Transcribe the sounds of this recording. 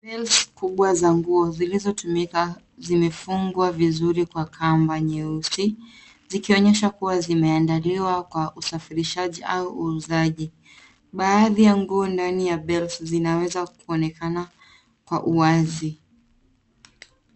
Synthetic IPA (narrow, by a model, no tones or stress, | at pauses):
bɛlskuɓwazaŋɡuɔzilizɔtumika | zimɛfuŋɡwavizuɾikwakʰambaɲɛusi | zikiɔɲɛʃakuwazimɛandaliwakwaʔusafiɾiʃaʄiʔauʔuːzaʄi | ɓaːðijaŋɡuɔndanijaɓɛlszinawɛzakuɔnɛkana | kwaʔuwazi